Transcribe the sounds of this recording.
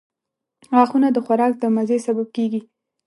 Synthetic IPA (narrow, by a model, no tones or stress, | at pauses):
ɣɑxunad̪əxwaɾɑk̚d̪əmazesabab̚keɡi